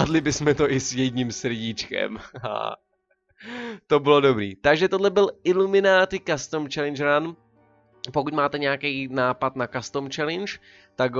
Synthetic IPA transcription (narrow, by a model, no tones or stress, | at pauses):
adlɪbɪsmɛt̪o̞ʔɪsjɛdɲimsr̩ɟit͡ʃkɛ̰ma̰ | t̪obɪlodo̞bɾḭːt̪aɡʒɛt̪odlɛbɪlɪlumɪnaːt̪ɪkast̪omt͡ʃɛlɪnt͡ʃɾan | pokucmaːt̪ɛɲɛakɛjnaːpat̪nakast̪omt͡ʃɛlɪnt͡ʃ | t̪ak